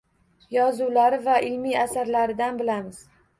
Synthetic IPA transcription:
jɒzuwlaɾɪvaʔɪlmiasaɾlaɾɪd̪anbɪlamɪz̥

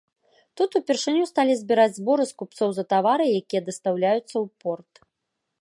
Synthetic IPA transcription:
t̪ut̪upʲɛrʂɨnʲust̪alʲizʲbʲiɾad͡zʲzbɔɾɨskupt̪sɔwzɐt̪avaɾɨjakʲijɐd̪ɐst̪awlʲajut̪sːɐwpɔrt̪

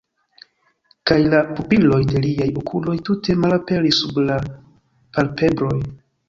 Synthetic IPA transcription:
kajlapupilo̞jde̞liajukʰulo̞jtute̞malape̞ɾisːubla | palpe̞bɾo̞j

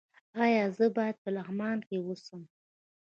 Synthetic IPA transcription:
ɑjɑzəbɑjad̪̚pəlaɦmɑnkewusəm

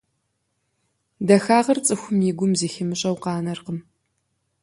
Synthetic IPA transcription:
dɐxaːʁɐrt͡sʼɨxʷʊmjiɡʷʊmziːxɪmɨɕʼɐwqɑːnɐrqəm

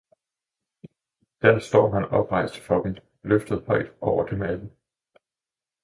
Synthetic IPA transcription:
d̥æɐsd̥ɒ̰ːɦænɒ̽b̥ʁɑ̈ɪsd̥ə̥fɒ̽b̥en | løfd̥ð̞̩ˠhɒ̽ɪ̰d̥ɒʊɐd̥emædn̩

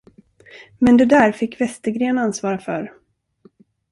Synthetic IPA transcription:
mɛnd̪ɛd̪æɾfɪkːvɛst̪əɡɾeːnansvɑːɾafœ̰ɾ

